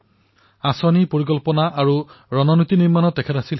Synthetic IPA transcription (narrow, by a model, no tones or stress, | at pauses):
asanipoɹikɔlpɔnaʔaɹuɹɔnɔnot̪iniɹmanɔtːɛkʰɛtasil